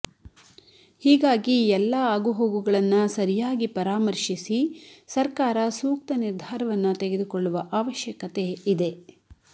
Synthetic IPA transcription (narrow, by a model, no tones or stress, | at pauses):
hiːɡaːɡiɛlːɐaːɡuɦoːɡuɡɐɭɐnːusɐɾijaːɡipɐɾaːmɐɾʃisisɐɾkaːɾɐsuːk̚t̪ɐniɾd̪ʱaːɾɐʋɐnːut̪eɡed̪ukoɭːuʋɐʔaːʋɐʃjɐkɐt̪e̞id̪e̞